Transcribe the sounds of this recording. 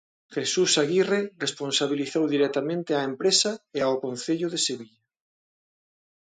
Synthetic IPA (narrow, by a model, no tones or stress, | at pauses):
xesusaɣireresponsaβ̞iliθowðiɾek̚t̪amẽnt̪eaempɾesaeaokõnθeʎoðeseβiʎa